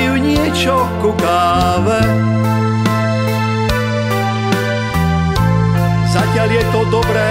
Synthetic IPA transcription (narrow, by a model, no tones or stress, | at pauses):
juɲɪɛt͡ʃɔkukaː | ʋɛ | zacɪaljɛt̪ɔd̪ɔbɾɛː